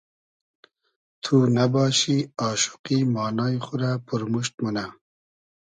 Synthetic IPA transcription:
t̪ʰunabɑːʃiɑːʃu̥qimɑːnɑːiχʊɾapʰuɾmuʃt̪̚muna

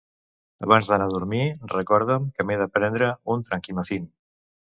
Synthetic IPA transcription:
əβanzðənaðuɾmirəkɔɾð̞əmkəmeðəpɾɛnd̪ɾəunt̪ɾəŋkiməθin

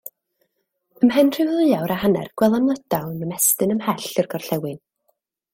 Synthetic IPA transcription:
əmɛnr̥ɪvðɨjawɾahanɛ̰rɡ̥wɛlˠanlˠəd̥awnəmɛstɨnəmhɛɬɨrɡɔrɬɛwɨn

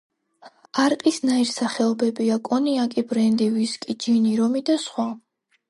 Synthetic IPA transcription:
aɾqʼisnaiɾsaχɛɔbɛbiakʼɔniakʼibɾɛnd̪iviskʼid͡ʒiniɾɔmid̪asχwa

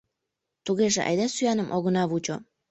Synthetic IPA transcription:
t̪uɣeʒḛʔɑ̰jd̪æsyænə̆mʔoɣɤ̆nɑβut͡ɕo

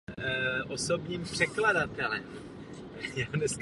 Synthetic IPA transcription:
ʔoso̞bɲiːmpr̥ɛkladat̪ɛlɛ̰m | jadnɛsk

